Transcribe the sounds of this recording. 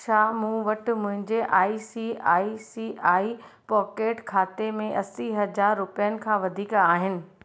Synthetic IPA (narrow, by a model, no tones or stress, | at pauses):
t͡ɕʰaːmũːʋɐʈ̆mʊ̃ɦɪ̃ɲd͡ʑeʔaːisiaːisiːaːi | pɔːkeːʈkʰaːt̪emẽʔɐsiɦɐzaːɾːʊpijənɪ̆kʰãːʋɐd̪ʱiːkaːɦɪnɪ̆